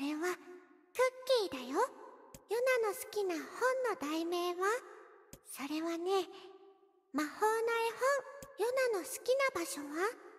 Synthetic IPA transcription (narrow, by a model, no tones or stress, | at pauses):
ɾe̞βa | kɯ̟kʲːiːd̪ajojonano̞sɨ̥kʲinahõ̞nːo̞d̪aime̞ːβa | so̞ɾe̞βane̞ | mahoːnaehõŋjo̞nano̞sɨ̥kʲinabaɕo̞βa